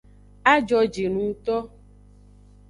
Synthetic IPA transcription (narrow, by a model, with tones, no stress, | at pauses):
a˦d͡ʒɔ˧d͡ʒe˨nũ˨˦t̪ɔ˦